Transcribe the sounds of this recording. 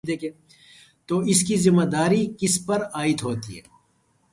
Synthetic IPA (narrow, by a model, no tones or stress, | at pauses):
d̪eːkẽː | t̪oːɪskizɪmːɐd̪aːɾikɪspɐɾaːɪt̪ɦoːt̪ḭɦɛ̰ː